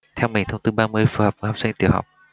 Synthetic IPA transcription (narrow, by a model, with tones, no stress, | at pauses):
t̪ʰɛ˧wmï˨˩ŋ̟t̪ʰə˧ŋ͡mt̪ɨ˧ɓaː˧mɨ˧əjfu˧˩hə˨˩p̚vɦɔ˨˩psï˧ŋ̟t̪i˨˧˩əwha̰˨˩wk͡p̚